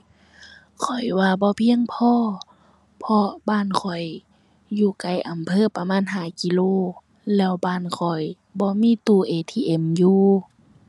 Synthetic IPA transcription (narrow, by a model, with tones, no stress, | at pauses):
kʰɔ˨˩jwaː˧bɔː˧˦pʰi˧˨əŋpʰɔː˧˨ | pʰɔ˧baː˧˥˨nkʰɔ˨˩j | juː˧˩ka˨˩jʔa˨mpʰɤː˧˥˨pa˧maː˧˥˨nɦaː˧˩ki˧˨loː˧˥˨ | lɛː˧˩wbaː˧˥˨nkʰɔ˨˩j | bɔː˧˦miː˧˥˨t̪uː˧˩ʔeː˧˨t̪ʰiː˧ʔe˧˦˩mjuː˧